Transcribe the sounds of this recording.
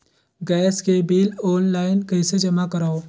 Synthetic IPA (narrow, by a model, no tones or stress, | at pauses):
ɡɛːskebiːlɔːnlaːɪnkɐɪsed͡ʒɐmakɐɾaːoː